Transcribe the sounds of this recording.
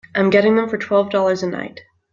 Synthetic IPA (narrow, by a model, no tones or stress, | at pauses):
ʔãɪ̃mɡɛɾɪ̃ŋðə̃ɱfə˞tʰw̥ɛlˠvdɔlˠə˞zɨna̰ɪt̚